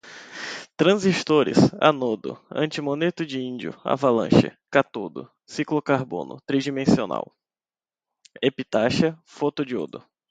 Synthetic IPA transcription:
t̪ɾɐ̃ziʃt̪oɾɪ̰sa̰nod̪ʊ̰ɐ̰̃t͡ʃɪmõnet̪ʊd͡ʒiĩnd͡ʒiʊ̰a̰valɐ̰̃ʃɪ̰kat̪od̪ʊ̰ | siklʊkaɾbõ̰nʊ̰t̪ɾid͡ʒimẽsiona̰w | epit̪aʃɐfot̪ʊd͡ʒio̰d̪ʊ

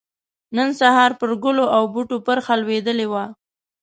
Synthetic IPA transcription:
nənsahɑɾpəɾɡʊloʔawbuʈopəɾxalwed̪əlewa

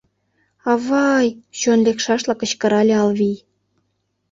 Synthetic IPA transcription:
ɑβɑjɕonlekʃɑʃlɑkə̆t͡ɕkə̆ɾɑlʲeɑlβij

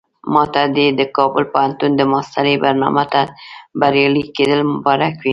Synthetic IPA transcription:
mɑt̪ad̪ed̪əkɑbʊlpohant̪und̪əmɑst̪aɾəjbaɾnɑ̰mat̪abaɾjɑliked̪əlmʊbɑɾakwi

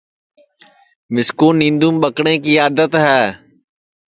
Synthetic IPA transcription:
mɪskuːnːĩːnd̪uːmɓəkɽẽːkiːaːd̪ət̪ɦɛː

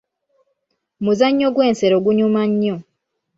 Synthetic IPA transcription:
muzaɲːoɡweːnseɾoɡuɲumaɲːo

